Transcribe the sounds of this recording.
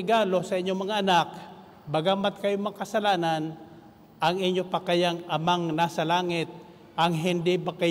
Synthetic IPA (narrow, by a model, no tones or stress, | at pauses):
ɪɡaːlo̞sɐʔɪɲjomɐŋaʔːnak̚ | bɐɡamat̪̚kɐjomɐŋakɐsɐlaːnan | ʔɐŋɪɲjopakajaŋʔɐmaŋnasɐlaːŋɪt̪̚ | ʔɐŋɦɪnd̪ɪbaka